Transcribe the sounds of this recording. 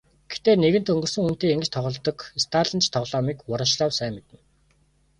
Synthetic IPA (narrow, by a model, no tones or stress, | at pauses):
ɡ̥ext̪eːneɣɘ̆n̥t̪ɵŋɡɵ̆rsɵ̆ŋun̥t̪eːeŋɡɘ̆t͡ɕt̪ʰɔʁɞ̆ɮt̪ɞ̆kist̪ʰaːɮə̆nt͡ɕʰt̪ʰɔʁɮɔːmiːkwʊɾə̆ʃɮɔːwsæːmet̪ɘ̆n